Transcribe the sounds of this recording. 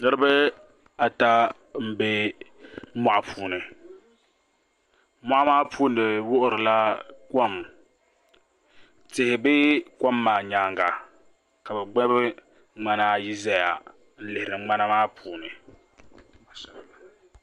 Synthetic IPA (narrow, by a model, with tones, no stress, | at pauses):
nɨ˦ɾɨ˦bɨ˦ | a˨ta˦ | m̩˦be˦ | ma˨ʔa˨pʰuː˨nɨ˨˦ | ma˦ʔa˦maː˦pʰuː˦nɨ˨wʊ˦ʔʊ˦˨ɾɨ˨la˦ko˦˨m | tɪ˨hɪ˨bɪ˦ka˦mːaː˨ɲaː˨ŋɡa˨ | ka˨bɛ˨ɡ͡bɛ˦bɨ˦ | ŋ͡ma˦na˦ji˦za˦ja˨ | n̩˦lɪ˨hɪ˨ɾɨ˨ŋ͡ma˦na˦maː˦pʰuː˨nɨ˨